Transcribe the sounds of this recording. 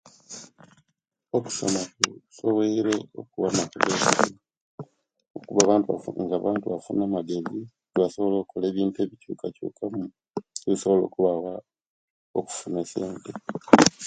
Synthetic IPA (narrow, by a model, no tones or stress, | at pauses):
oku̥somakusoweiɾeo̰kuβamakuβesi | okuβaβaːntuβa̰ŋɡaβaːntuβafunaːmaɡe̞zi | βaso̞βolo̞kʰole̞ːβiːntue̞βicuːkacṵːkʰamu | iβiso̞βo̞lo̞̰ːkuβawa | oku̥funeseːnte